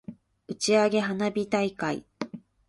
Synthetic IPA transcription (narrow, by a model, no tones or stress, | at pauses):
ɯ̟t͡ɕiaɡe̞ɦanabʲit̪aikaḭ